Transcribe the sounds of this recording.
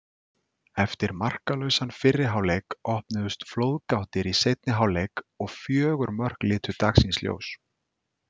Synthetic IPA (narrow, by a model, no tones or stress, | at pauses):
ɛft̪ɪɾmar̥kalœɥsanfɪrːɪɦawlejkɔhpnɪðʏst̪floːwðkawht̪ɪɾisejt̪̚nɪɦawlejkɔɣfjœːɣʏɾmœr̥klɪːt̪ʏt̪aksinsljo̰ːws